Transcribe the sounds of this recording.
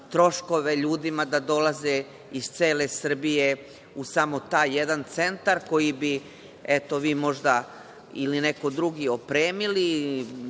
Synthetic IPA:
t̪ɾo̞ʃko̞ʋe̞ʎuːd̪imad̪ad̪o̞laze | iz̥t̪seːle̞sr̩bije | usamo̞t̪aːjːed̪ant̪se̞nt̪aɾko̞jibi | et̪o̞ʋiːmo̞ʒd̪a | ilineko̞d̪ɾuɡio̞pɾeːmili

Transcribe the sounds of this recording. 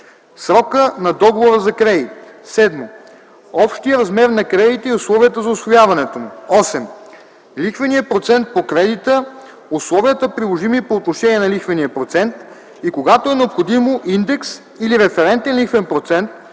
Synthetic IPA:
sɾɔkənɐd̪ɔɡovoɾəzɐkɾɛd̪it̪sɛd̪mo | ɔpʃt̪ijəɾɐzmɛɾnɐkɾɛd̪it̪əiʊslˠɔviət̪əzɐʊsvojavɐnɛt̪omuɔsɛm | lixvɐniəpɾot̪sɛnt̪̚pokɾɛd̪it̪ə | uslˠɔviət̪əpɾilˠoʒimipoːt̪noʃɛniɛnɐlixvɐnijəpɾot̪sɛnt̪ | ikoɡat̪oɛnɛopxod̪imoʔind̪ɛks | iliɾɛfɛɾɛnt̪ɛnlixvɛnpɾot̪sɛnt̪̚

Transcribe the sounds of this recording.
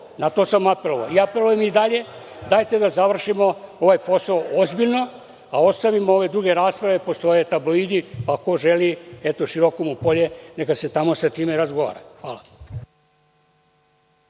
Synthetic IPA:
nat̪o̞samape̞lo̞ʋa̰oiapelujemid̪aʎe̞ | d̪aːjt̪e̞d̪azaʋr̩ʃimo̞o̞ʋajpo̞saoozbiʎno̞ | ao̞st̪aʋimoo̞ʋe̞d̪ɾuɡe̞ɾaːspɾaʋe̞po̞st̪o̞jet̪abloid̪ipako̞ʒe̞liet̪oʃiɾo̞komupo̞ʎene̞kase̞t̪amo̞sat̪iːmeɾazɡo̞ʋa̰ːɾa̰xʋaːla

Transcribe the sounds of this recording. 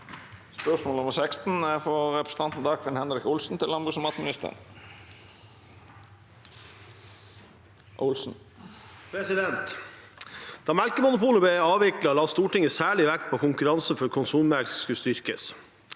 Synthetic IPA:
spœʂmoːləɔmsɛkst̪n̩æfɔɾɛpɾəsə̥t̪ɑnt̪n̩d̪ɑkʰʋɪnhɛnɾɪkʊlsn̩t̪ʰɪlɑmbʉsəmɑt̪mɪnɪst̪ə̰n | ʔʊlsn̩ | pʰɾɛsɪd̪ɛnt̪ | d̪̥ɑːmælkəmʊnʊpuːləbɛɑːʋɪklɑlɑːst̪uːʈɪŋəsæːɭɪʋækpʰoːkʰʊŋkʉɾɑnsəfɔɾkʰʊnsuːmælksskʉst̪ʏɾkəs

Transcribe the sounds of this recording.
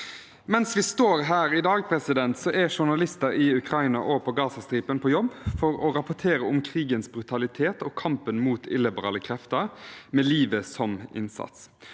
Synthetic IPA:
mɛnsʋɪst̪oːɾɦæːɾɪd̪ɑːɡ̚pʰɾɛsɪd̪ɛnt̪sɔʔɛʂʊɳɑlɪst̪əɾɪʉkʰɾɑɪnɑʔoːpʰɔɡɑːsɑst̪ɾiːpənpʰɔjɔbːfɔɾɔɾɑpʊʈ̪ʰeːɾəʊmkʰɾiːɡənsbɾʉt̪ʰɑlɪt̪ʰeːt̪ɔːkʰɑmpənmuːt̪ʰɪ̰lɪbəɾɑ̰ːləkʰɾɛft̪əɾmɛːliːʋəsɔmɪ̰nsɑ̰t̪s

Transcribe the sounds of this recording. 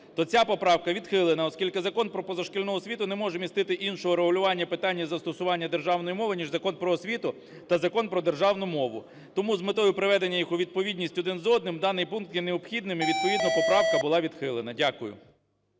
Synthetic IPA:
t̪ɔt͡sʲapɔpɾɑwkɐʋʲid̪xɪlˠenɐɔskʲilʲkɪzɐkɔnpɾɔpɔzɐʃkɪlʲnɔɦɔsʲʋʲit̪ʊnɛmɔʒɛmʲist̪ɪt̪ɪʔinʃɔɦɔɾeɦʊlʲʊʋɑnʲːɐpɪt̪ɑnʲːɐzɐst̪ɔsʊʋɑnʲːɐd̪erʒɑwnɔjimɔʋɪnʲiʒzɐkɔnpɾɔːsʲʋʲit̪ʊ | t̪ɐzɐkɔnpɾɔd̪erʒɑwnʊmɔʋʊ̰ | t̪ɔmuzmɪt̪ɔjʊpɾeʋɛd̪enʲːɐjixʊʋʲid̪̚pɔʋʲidʲnʲisʲtʲɔd̪ɪnzɔd̪nɪmd̪ɑnɪjpunk̚t̪jɛneɔbxʲid̪nɪmɪʋʲid̪̚pɔʋʲid̪nɐpɔpɾɑwkɐbʊlˠɑʋʲid̪xɪlˠenɐdʲakʊjʊ̰

